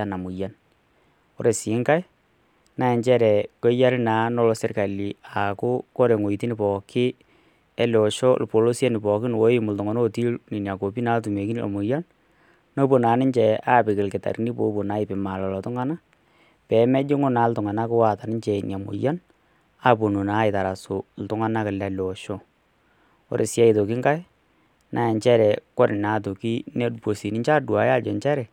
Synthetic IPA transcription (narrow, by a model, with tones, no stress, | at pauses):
a˦na˨mʊ˨ja˦n | o̰˦ɾe˨si˨˦ŋka˦j | na˦ɛ˨ɲt͡ʃɛ˦ɾɛ˨ko˦ja˦ɾɪ˦na˨˦no˦lo˦se˦rka˨li˨a˨kʊ˦ko˦ɾe˨ŋo˨i˨ti˦ni˦˨pɔ˨kɪ˦ | ɛ˦lɔ˨ʃɔ˦lpo˨lo˦sa˦nɪ˨pɔ˨kɪ˦n˨wo˦ɪ˦mʊ˨ltɔ˨ŋo˨no˦ti˦lni˨nja˨ko˨pi˦na˦ltu˨me˨ki˦n˦lo̰˨mʊ˨ja˦n | no˦po˨naː˨˦nɪ˦ɲt͡ʃɛ˨a˦pɪ˨kɪ˨lkɪ˨ta̰˨ɾni˦po˨˦po˨na˦ɪ˨pɪ˨ma˨lɔ˨lɔ˨tʊ˦ŋa˦na˦ | pɛ˨mɛ˦d͡ʒɪ˦ŋʊ˦na˨˦ltʊ˨ŋa˨na˦kɪ˦wa˨ta˨nɪ˦ɲt͡ʃɛ˨nja˨mo̰˨ja˦n | a˦po˨no˨na˦ɪ˨ta˨ɾa˨so˨l̩˨tʊ˦ŋa˦na˦kɪ˨la˨lo˨ʃo˦ | o̰˦ɾʔe˨sjɛ˦i˨to˨ki˦ŋɡa˦j | nʔa˨jɛ˨ɲt͡ʃɛ˦ɾɛ˨kɔ˦ɾɪ˨na˨t̬o˨ki˦ne˦dpo˨si˨nɪ˦ɲt͡ʃa˦dwa˨˦ja˦d͡ʒɛ˨ɲt͡ʃɛ˦ɾɛ˨